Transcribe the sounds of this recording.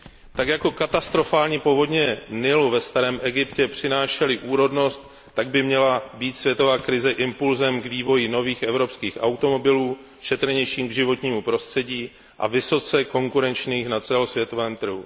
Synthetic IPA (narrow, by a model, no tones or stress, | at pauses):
t̪akjako̞kat̪ast̪ɾo̞faːlɲipo̞vo̞dɲɛnɪluvɛst̪aɾɛːmʔɛɡɪpcɛpr̝̥ɪnaːʃɛlɪʔuːɾo̞dno̞st̪ː | aɡ̚bɪmɲɛlabiːt̪svʲjɛt̪o̞vaːkɾɪzɛʔɪmpulzɛmɡviːvo̞jɪno̞viːxʔɛvɾo̞pskiːxʔawt̪o̞mo̞bɪluː | ʃɛt̪ɾɛɲɛjʃiːmɡʒɪvo̞t̪ɲiːmupɾo̞st̪r̥ɛɟiː | ʔa̰vɪso̞t͡sɛko̞ŋkuɾɛnt͡ʃɲiːxnat͡sɛlosvjɛt̪o̞vɛːmt̪r̩ɦu